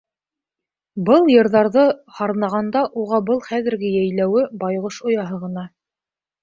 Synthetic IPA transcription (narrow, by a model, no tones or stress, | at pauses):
bɤlˠjɤ̆ɾðɑɾðɤhɑɾnɑʁɑnd̪ɑʔuʁɑbɤlˠχæðɘ̆ɾɡɘjæjlæwɘbɑjʁɤʃŏjɑɦɤʁɤ̆nɑ